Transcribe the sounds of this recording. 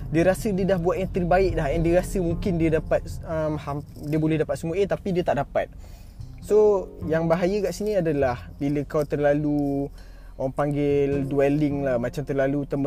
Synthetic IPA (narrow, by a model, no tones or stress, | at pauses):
diəɾasədiədahbuat̪̚jaŋt̪ərbaɪʔ̚daɦɛndiəɾasəmũŋkɪndiədapat̪̚əmham | diəbolɛhdapat̪̚səmuʔet̪apidiət̪aʔdapa̰t̪̚ | sojaŋbaɦajəɡaʔsinĩadalahbiləkawt̪ərlalu | ŋpaŋɡɪlduɛlɪŋlahmat͡ʃamt̪ərlalut̪əm